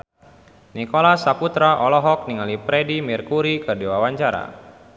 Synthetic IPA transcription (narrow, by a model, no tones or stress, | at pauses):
nikɔlasaput̪ɾaʔɔlɔɦɔk̚niŋalipɾɛdimirkuɾikərdiwawaɲt͡ʃaɾa̰